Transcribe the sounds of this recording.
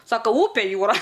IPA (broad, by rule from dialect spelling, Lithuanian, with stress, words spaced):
ˈsɑːkɐ ˈʊpʲɛ ˈjuːrɐ